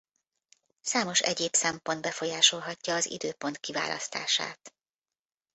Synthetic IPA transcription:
saːmo̞ʃɛ̰ɟeːpsɛmpo̞nd̪bɛfo̞jaːʃo̞lɦɒcːɒːzḭd̪øːpo̞nt̪kiva̰ːlʔɒ̰st̪a̰ːʃa̰ːt̪

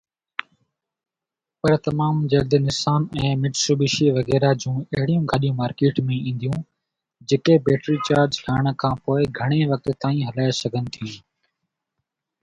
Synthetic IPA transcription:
pɐɾt̪ɐmaːmd͡ʒɐɡd̪nɪsaːnɛ̃ːmɪʈsuːbɪʃiʋɐɣɛːɾad͡ʑũːɐɦɪɽijũːɡʱaːɗijũːmaːɾkeːʈmẽĩːn̆d̪ijũː | d͡ʑekebeːʈɾiːt͡ɕaːɾd͡ʒʈʰaːɽ̃kʰãːpoːɪɡʱɐɽ̃eʋɐk̚t̪ːaːĩɦɐlaːesɐɡʱənɪ̆t̪ʰijũː

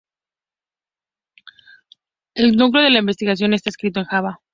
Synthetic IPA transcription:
e̞lnukleo̞ð̞e̞laimbe̞st̪iɣas̬jo̞nest̪ae̞skɾit̪o̞e̞ŋxaβa

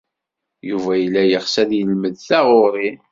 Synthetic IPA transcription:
juvæjlːæjəχsæðjəlməðθæʁʊɾˤi

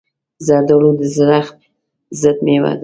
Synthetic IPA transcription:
zad̪əlod̪əzɾaxt̪̚ | zəd̪̚mewa̰d̪

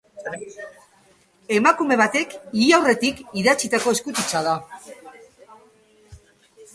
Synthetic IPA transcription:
e̞makume̞β̞at̪e̞kiiawre̞t̪ikiðat͡sit̪ako̞e̞skut̪it͡sað̞a

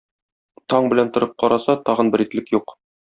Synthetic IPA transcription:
t̪ɒɴbɘ̆lænt̪ŏɾɤp̚qɒɾʔɑsɑt̪ɒʁɤ̆nbɘɾit̪lɘkjuq

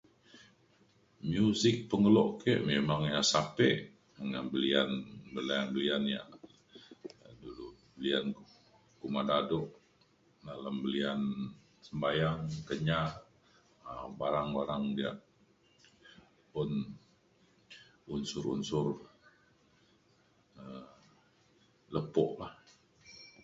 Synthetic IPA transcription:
mjusɪk̚pəŋəlɔʔkeʔmemaŋjasapɛʔ | əŋanbəlianbəlianbəlianja̰ʔ | dulubəlia̰nk | kumadadɔʔ | dalambəlian | səmbajaŋkəɲaʔ | əbaɾaŋbaɾaŋdia̰ʔ | pʊn | unsʊɾṵnsʊr | ə | ləpɔʔlah

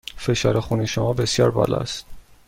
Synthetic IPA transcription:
fe̞ʃɒːɾexuniʃomɒːbe̞sjɒːɾbɒ̰ːlɒ̰st̪

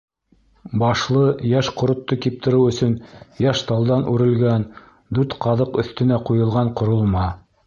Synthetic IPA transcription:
bɑʃlˠɤjæʃqŏɾŏt̪ːokip̚t̪ɘ̆ɾɘwɵ̆sɵnjæʃt̪ɑlˠd̪ɑnʔʉɾɘ̆lɡæn | d̪ʉɾt̪qʰɑðɤqɵ̆θt̪ɘ̆næqujɤ̆lˠʁɑɴqŏɾŏlˠmɑ

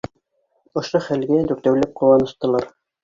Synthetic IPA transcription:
ŏʃoχælɡæd̪ʉɾt̪æwlæp̚qʰŏwɑnɤ̆ʃt̪ɤ̆lˠɑɾ

